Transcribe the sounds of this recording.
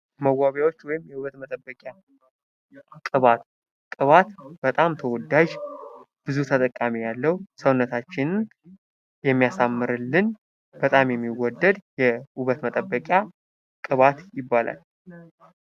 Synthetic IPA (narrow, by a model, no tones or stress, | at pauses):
məɡwaβjawot͡ʃːwɔjɪmjɛuβət̪mət̪ʼəbːəkʼja | kʼɨβat̪ | kʼɨβat̪b̥ət̪ʼamt̪ʰəwɔd̪ːaʒ | b̥ɨzut̪ʰət̪ʼəkʼːamijalːəwsəwnːət̪ʰat͡ʃːɪn | jɛmːijasamːɨɾɨlːɨn | b̥ət̪ʼamjɛmːiwɔd̪ːəd̪jɛuβət̪mət̪ʼəbːəkʼja | kʼɨβat̪jɪbːala̰l